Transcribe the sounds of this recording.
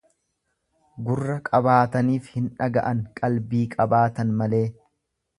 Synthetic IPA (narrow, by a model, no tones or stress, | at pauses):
ɡʊrːɐkʼɐbaːt̪ɐniːfhɪnᶑɐɡɐ̰ʔɐŋkʼɐlbiːkʼɐbaːt̪ɐnmɐle̞ː